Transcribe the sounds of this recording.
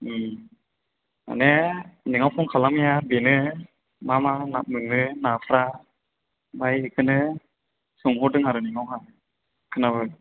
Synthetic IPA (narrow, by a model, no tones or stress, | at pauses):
m | a̰nɛniŋawpʰɔŋkʰalamijabenɯ | mamanap̚mɯŋɯnapʰɾa | bajɯkʰɯnɯ | sɔŋɦɔdɯŋhaɾɯniŋawɦa | kʰɯnaβɯ